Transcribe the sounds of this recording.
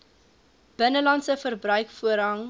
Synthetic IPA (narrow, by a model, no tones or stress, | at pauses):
b̥ənəlɐntsəfərbrœɥkfuəɾɦɐŋ